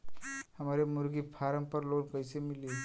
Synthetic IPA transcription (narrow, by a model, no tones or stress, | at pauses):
həmaɾemuɾɡipʰaɾəmpəɾloːnkəɪsemili